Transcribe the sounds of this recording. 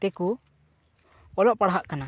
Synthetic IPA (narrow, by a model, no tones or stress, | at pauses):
t̪ɛku | ɔlɔʔpaɽɦaʔkana